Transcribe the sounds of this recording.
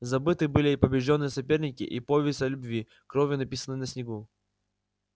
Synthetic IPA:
zɐbɨt̪ɨbɨlʲɪːpəbʲɪʐdʲo̞nːɨjəsɐpʲe̞rnʲɪkʲɪ̰ʔipovʲɪsɐlʲʊbvʲi | kɾovʲjɪnɐpʲisənɨnəsʲnʲɪɡu

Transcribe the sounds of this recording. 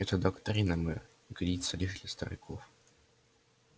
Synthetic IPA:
ɛt̪əd̪ɐkt̪ɾʲinɐmɛr | iɡɐd̪ʲit̪sɐlʲiʐd̪lʲɐst̪ɐ̰ɾʲɪ̰kʰof

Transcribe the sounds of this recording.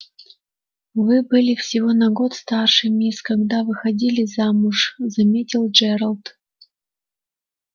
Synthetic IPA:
vɨbɨlʲɪfsʲɪvonɐɡot̪st̪arʂɨmʲeskaɡd̪avɨxɐdʲilʲɪzamuʂzɐmʲetʲilˠd͡ʒɛɾəlˠt̪

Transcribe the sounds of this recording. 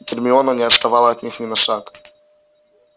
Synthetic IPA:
t̪ʲɪrmʲɪɔnɐnʲɪɐt̪st̪ɐvalˠɐɐt̪ʲnʲixnʲɪnɐʂak

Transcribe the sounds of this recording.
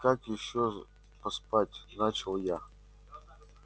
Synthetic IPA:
kakjɪɕːo | pɐspatʲnat͡ɕɪlˠja

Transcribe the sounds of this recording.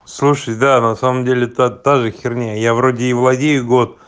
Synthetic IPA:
slˠuʂəjd̪anɐsaməmdʲelʲɪt̪at̪aʐɨxʲɪrnʲejjavɾo̞dʲɪːvlˠɐdʲejʊɡo̞t̪̚

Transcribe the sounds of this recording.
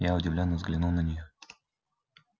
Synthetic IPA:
jaʊdʲɪvlʲonːəvzɡlʲɪnulˠnənʲɪjo

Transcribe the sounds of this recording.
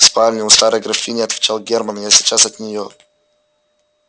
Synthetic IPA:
spalʲnʲɪʊst̪aɾəjɡɾɐfʲinʲɪɐt̪vʲɪt͡ɕalˠɡʲermənjasʲɪt͡ʃasɐt̪nʲɪjo

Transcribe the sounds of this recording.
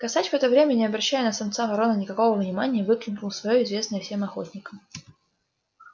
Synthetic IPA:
kɐsatʲv̥ɛt̪əvɾʲemʲənʲɪɐbɾɐɕːæjʊnəsɐmt̪savɐɾo̞nənʲɪkɐko̞vəvnʲɪmanʲɪjəvɨklʲɪnknʊlˠsvɐjo̞ɪzvʲe̞snəjəfsʲemɐxo̞̰t̪ʲnʲɪkəm

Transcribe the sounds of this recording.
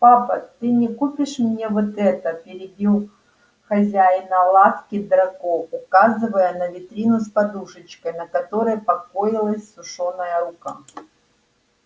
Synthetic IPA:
papɐt̪ɨnʲɪkupʲɪʂmnʲevot̪ɛt̪əpʲɪɾʲɪbʲiw̪ˠ | xɐzʲæjnɐlˠat̪kʲɪd̪ɾɐkoʊkazɨvəjənəvʲɪt̪ɾʲinʊspɐd̪uʂɨt͡ɕkəjnɐkɐt̪o̞ɾəjəpɐkojɪlˠəsʲsʊʂonəjəɾuka

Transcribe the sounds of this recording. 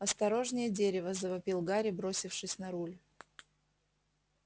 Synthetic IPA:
ɐst̪ɐɾo̞ʐnʲɪjədʲeɾʲɪvəzəvɐpʲilˠɡaɾʲɪbɾo̞sʲɪfʂɨsʲnɐɾulʲ

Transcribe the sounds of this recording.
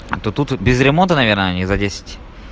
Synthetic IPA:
a̰t̪ot̪ut̪bʲɪzɾʲɪmont̪ənɐvʲernəɐnʲizɐdʲesʲɪ̥tʲ

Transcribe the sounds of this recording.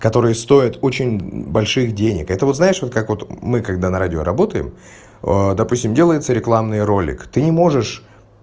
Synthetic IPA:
kɐt̪o̞ɾɨjəst̪o̞ɪt̪o̞t͡ɕɪnʲbɐlʲʂɨxdʲenʲɪkɛt̪əvo̞t̪znaɪʂvot̪kakvo̞t̪mɨkɐɡ̚d̪anɐɾadʲɪo̰ɾɐbo̞t̪əjɪ̰m | d̪ɐpusʲɪmdʲe̞lˠəjɪt̪səɾʲɪklˠamnɨjɾo̞lʲɪ̰kt̪ɨnʲɪmo̞ʐɨʂ

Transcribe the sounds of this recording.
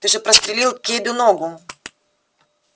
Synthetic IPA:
t̪ɨʐɛpɾɐst̪ɾʲɪlʲilˠkʲed̪ʊnɔɡʊ

